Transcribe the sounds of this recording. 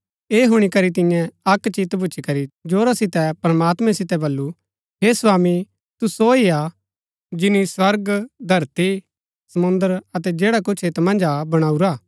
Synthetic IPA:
eːɦʊɽ̃ikɐɾit̪̬ɪ̃jɛ̃ɐkt͡ʃit̪bʱʊːt͡ʃʰikɐɾid͡ʒoːɾasɪt̪ɛpɾɐmaːt̪mɛ̃sɪt̪ɛbɐlːu | ɦeːsʋaːmi | t̪usoia | d͡ʒɪniswɐɾɡd̪ʱɐɾt̪i | sɐmʊ̃nd̪əɾɐt̪ɛd͡ʒeːɽakʊt͡ʃʰeːt̪mɐ̃nd͡ʒabɐɽ̃aːuɾaː

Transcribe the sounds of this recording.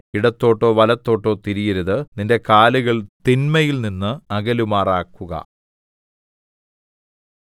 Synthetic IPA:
iɽɐt̪ːo̞ːʈːo̞ːʋɐlɐt̪ːo̞ːʈːo̞ːt̪iɾijɐɾuðɨninde̞kaːluɣɐɭt̪inmɐjilninːɨɐɣɐlumaːraːkːuɣɐ̰

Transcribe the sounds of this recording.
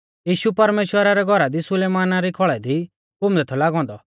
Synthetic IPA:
jiːʃupɐɾmeːʃwəɾaɾɛɡʱɔɾad̪isʊleːmaːnaɾikʰɔɭɛd̪i | ʊmd̪ɛt̪ʰɔlaːɡɔ̃ːn̆d̪ɔ

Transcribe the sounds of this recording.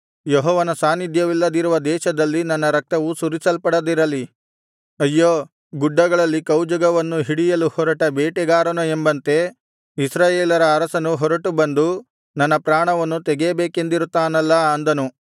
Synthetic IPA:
jɔɦɔːʋɐnɐsaːnid̪ʱjɐʋilːɐd̪iɾuʋɐd̪ɛːʃɐd̪ɐlːinɐnːɐɾɐk̚t̪ɐʋusuɾisɐlpɐɽɐd̪iɾɐli | ɐjːoː | ɡuɖːɐɡɐɭɐlːikɐwd͡ʒɐɡɐʋɐnːuɦiɽijɐluhɔɾɐʈɐbeːʈɛɡaːɾɐnuembɐnt̪e̞ | isɾaːjeːlɐɾɐːɾɐsɐnuɦɔɾɐʈubɐnd̪u | nɐnːɐpɾaːɳɐʋɐnːut̪ɛɡeːbeːke̞nd̪iɾut̪ːaːnɐlːɐɐnd̪ɐnu

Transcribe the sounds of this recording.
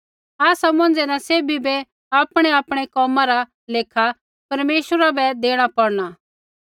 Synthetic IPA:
aːsamɐ̃nd͡zenaseːbʱibɛ | aːpɽ̃eaːpɽ̃ekɔːmãɾa | leːkʰa | pɐɾmeːʃəɾabɛd̪eːɽ̃apɐɽɽ̃a

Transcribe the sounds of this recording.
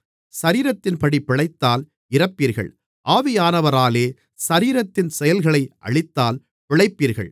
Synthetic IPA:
sɐɾiːɾɐt̪ːɪnpɐɽipːɪɭɐɪt̪ːaːl | ɪɾɐpːiːɾɣɐ̰ɭ | ʔaːʋɪjaːnɐʋɐɾaːleː | sɐɾiːɾɐt̪ːɪnsɛjɐlɣɐɭɐɪʔɐ̰ɭɪt̪ːaːl | pɪɭɐɪpːiːɾɣɐ̰ɭ

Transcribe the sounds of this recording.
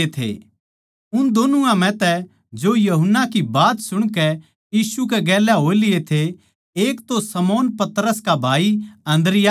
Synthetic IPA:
et̪ʰḛ | ʊnd̪oːnũãmɛ̃t̪ɛ | d͡ʒoːjɐɦʊnːakibaːt̪sʊɽ̃kɛ | jiːsuk̬ɛɡɛːlaɦoːelɪet̪ʰe | eːkt̪osɐmoːnpɐt̪ɾəskabʱaːiɐ̃nd̪ɾɪja

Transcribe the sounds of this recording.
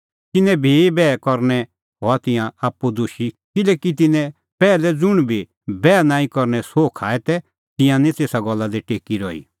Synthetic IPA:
t̪ɪnɛ̃bʱibɛːkɔɾñɛ | ɦɔat̪ɪjãaːpːud̪uʃi | kɪlɛːkit̪̬ɪnɛ̃ | pɛːlɛd͡zʊɽ̃bʱi | bɛːnãːĩkɔɾnɛsoːkʰaːɛt̪ɛ | t̪ɪ̃jãnĩt̪eːsaɡɔlːad̪iʈeːkiɾɔḭː

